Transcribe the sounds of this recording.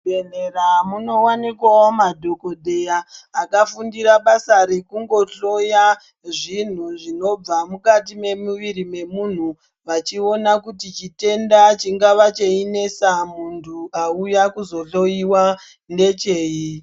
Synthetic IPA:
eneramuno̞wanikwaomadʱo̞kodʱe̞jaːkafundiɾaɓasaɾe̞kuŋɡo̞ɬo̞ja | ʐin̤uʐino̞b͡vamukat̬ime̞muʋiɾime̞mun̤u | ʋat͡ʃionakutit͡ʃite̞ndat͡ʃiŋɡaʋat͡ʃeinesamuntʰuaujakuzo̞ɬo̞iwa | nde̞t͡ʃe̞ːi

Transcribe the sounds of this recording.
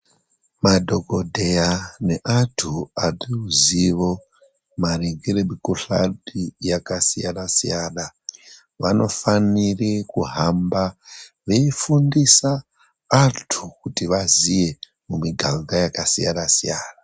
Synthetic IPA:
madʱo̞ko̞dʱe̞jane̞ʔatʰuariuziʋo̞ | mariŋɡirebikuɬa̰dijakasijanasijaːna | ʋano̞fanirikuɦamba | ʋeifundisaː | tʰukutiʋazije̞ | mumiɡʱaŋɡajakasija̰nasijaːna

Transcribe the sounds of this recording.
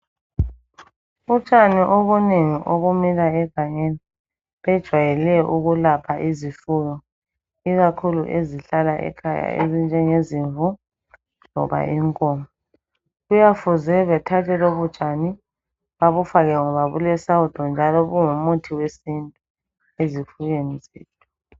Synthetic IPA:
ut͡ʃʼaniʔoβuneŋiʔoɣumilaɛɡ̥ʱaɲeni | βɛd̥ʒ̥ʱwajɛlɛʔuɣulapʰaʔizifujɔ | iɣakʰuluʔeziɬalaʔɛ̰kʰaja̰ḛzind͡ʒʱɛŋeziɱvu | lɔ̰βa̰ʔiŋkʼɔːmɔ | ɣujafuzɛβɛtʰatʰɛloβud̥t͡ʃʼani | βaβufaɣɛŋɔβaɣṵlɛsaud̥ʱɔnd͡ʒʱalɔɣuŋumutʰiwesintʼu | ezifuɣenizeːlɛ

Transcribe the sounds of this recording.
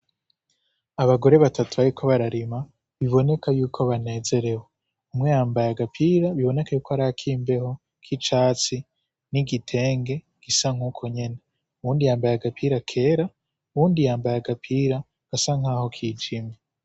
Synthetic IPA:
aβaɡo̞ɾe̞βatʰatuβaɾikʰo̞βaɾaɾima | βiβo̞ne̞kajuːkʰo̞βane̞ːze̞ɾe̞we | umŋe̞jaːmbajaɡapʰiːɾaβiβo̞ne̞kajuːkoaɾaakʰiːmbe̞ho̞ | kʰit͡ʃaːt͡si | niɡitʰe̞ːŋɡe̞ | ɡ̥isaŋ̥huːkʰo̞ɲe̞ne | uwuːndijaːmbajaɡapʰiɾakʰe̞ːɾa | uβuːndijaːmbajaɡapʰiːɾa | ɡ̥asaŋ̥aːho̞kʰiːd͡ʒime

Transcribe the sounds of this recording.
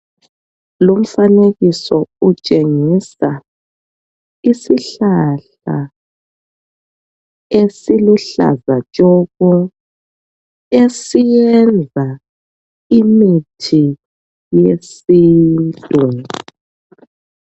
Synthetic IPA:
lom̩faneɣisɔut͡ʃʼeŋisa | isiɬaɬ | a̰ | esiluɬa̰zat͡ʃʼɔɣɔ | esijɛnd͡zʱa | imitʰi | jesiːntʼɛ

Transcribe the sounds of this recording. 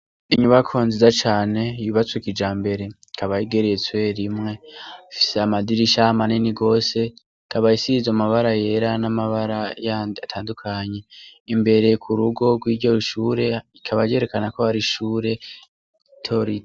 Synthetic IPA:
iɲuβakʰoːnzizat͡ʃaːne̞iβiβat͡sokid͡ʒaːmbe̞ɾe̞ikʰaβajiɡe̞ɾejet͡swe̞ɾimŋe̞fi̥seamadiɾiʃamaniniɡo̞ːse̞ | kʰaβaisizamaβaɾaje̞ɾanamaβaɾajaːndiatʰaːndukʰaɲe̞imbe̞ɾe̞kʰuɾuɡo̞ɡwiːɟoiʃuːɾe̞ikʰaβaje̞ɾe̞kanakoaɾiʃuːɾe̞ | tʰo̞ɾi

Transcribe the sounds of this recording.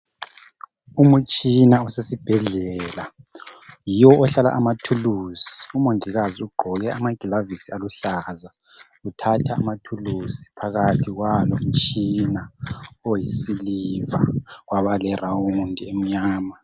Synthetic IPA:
umut͡ʃʼinaɔsesib̥ʱɛɮɛɛla | jiwɔɔɬala̰ʔamatʰulusi̥umoŋiɣaziuɡ͡ǃʱɔɣɛʔamaɡ̥ʱilavisialuɬaza | utʰatʰa̰ːmatʰulusi̥pʰaɣatʰiɣwalom̩t͡ʃʼinaojisiliva̰ɣwaβalɛrawundʱiem̩ɲaːma

